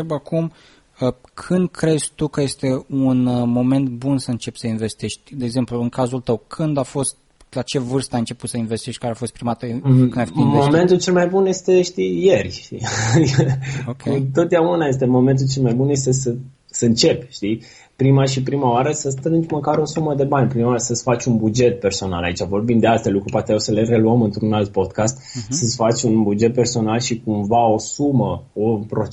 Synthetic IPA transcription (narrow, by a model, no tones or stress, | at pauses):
ɾebakum | əkʰɨnd̪̚kɾe̞zʲt̪ukəje̞st̪e̞unmo̞me̞nt̪bunsəɨnt͡ʃe̞pʲsəinve̞st̪eʃt̪ʲd̪e̞ːɡze̞mpluɨŋkazult̪əwkʰɨnd̪afo̞st̪̚ | lat͡ʃe̞vɨrst̪əajɨnt͡ʃe̞put̪səinvest̪eʃt̪̚ʲkaɾeafo̞st̪pɾimat̪əɨnd̪ajfoimveome̞nt̪ult͡ʃelmajbunje̞st̪e̞ʃt̪ije̞rʲi | kut̪o̞t̪̚d̪eaunaje̞s̬t̪e̞mo̞me̞nt̪̬ult͡ʃe̞lmajbunje̞st̪e̞sə | səɨnt͡ʃe̞pʲʃt̪i | pɾimaʃipɾimaoaɾəsəst̪ɾɨnd͡ʒməkaɾo̞suməd̪e̞banʲpɾimasəsfat͡ʃʲunbud͡ʒe̞t̪̚pe̞rso̞na̰la̰it͡ʃavo̞rbimd̪e̞ast̪elukɾupat̪ejawsəle̞re̞luəmɨnt̪ɾunalt̪̚po̞d̪kast̪səsfat͡ʃʲunbud͡ʒe̞t̪̚pe̞rso̞nalʃikumvao̞suməopɾo